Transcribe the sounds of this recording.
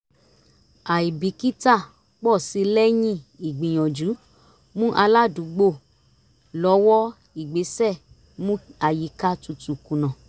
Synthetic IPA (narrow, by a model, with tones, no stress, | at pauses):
a˨i˨bi˨˦ki˦ta˦˨ | k͡pɔ˦˨si˧lɛ˦jĩ˦i˨ɡ͡bĩ˨j̃ɔ̃˨d͡ʒu˨˦ | mũ˦ʔa˧la˦du˨˦ɡ͡bo˦˨ | lɔ˨˦wɔ˦ | i˨ɡ͡be˨˦sɛ˦˨ | mũ˦a˨ji˨˦ka˦tu˧tu˨kũ˨nã˨